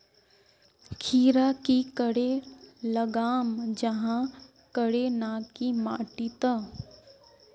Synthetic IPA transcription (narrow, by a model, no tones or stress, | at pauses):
kʰiːɾakikəɽeləɡaːmd͡ʒɐɦã | kəɽenãkimaːʈit̪a